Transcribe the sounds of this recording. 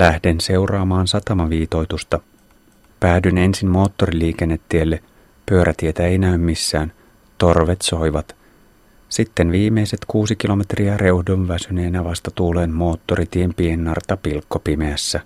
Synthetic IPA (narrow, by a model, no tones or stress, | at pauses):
læhde̞nse̞wrɑːmɑːnsɑt̪ɑmɑʋiːt̪o̞jt̪ust̪ɑ | pæːdyne̞nsimmo̞ːt̪ːo̞ɾiliːk̟e̞nːet̪ːielːe | pyøɾʔæt̪ie̞t̪æejnæymmisːæːn | t̪o̞rʋe̞t̪so̞jʋɑt̪ | sit̪ːe̞nʋiːme̞jse̞t̪kuːsikilo̞me̞t̪riære̞uhdonʋæsyne̞ːnæʋɑst̪ɑt̪uːleːnmo̞ːt̪ːo̞ɾit̪iempienːɑrt̪ɑpilkːo̞pimeæsːæ